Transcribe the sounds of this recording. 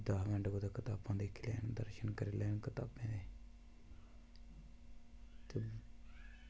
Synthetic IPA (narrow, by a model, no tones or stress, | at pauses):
d̪aːɦʋɛ̃ɳɖɡoːd̪akət̪aːpːãːnd̪eːkʰːlɛːnd̪əɾʃənkəɾeːlɛːnkət̪aːpːẽːd̪eː | t̪eː